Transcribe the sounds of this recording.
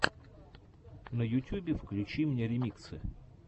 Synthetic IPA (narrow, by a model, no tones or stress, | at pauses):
nəjʊtʲubʲɪfklʲʉt͡ɕimnʲeɾʲɪmʲikt̪sɨ̰